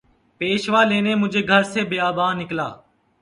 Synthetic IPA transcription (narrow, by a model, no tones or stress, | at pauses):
peːʃʋaːleːneːmʊd͡ʒʱeːɡʱəɾseːbeːaːbaːnɪkla̰ː